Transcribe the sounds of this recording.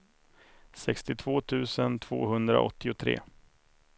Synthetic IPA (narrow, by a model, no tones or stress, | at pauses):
sɛkst̪ɪt̪ʰvoːt̪ʰʉ̟ːsənt̪ʰv̥o̰ːɦɵnd̪ɾa̰ʔɔt̪ːɪʊt̪ʰɾḛː